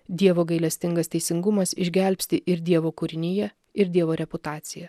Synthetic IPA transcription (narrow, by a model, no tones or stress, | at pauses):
d̪ʲiɛʋoːɡɐɪlʲɛsʲt̪ʲɪŋɡɐst̪ʲɛɪsʲɪŋɡʊmɐsɪʒʲɡʲɛˑlʲpʲsʲt̪ʲɪʔɪɾd̪ʲiɛʋoːkʊɾʲɪnʲɪjɛ | ɪɾd̪ʲiɛʋoːɾʲɛpʊt̪ɑːt̪sʲɪjɛ